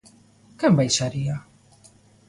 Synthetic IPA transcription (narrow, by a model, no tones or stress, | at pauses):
kɛmbajsaɾia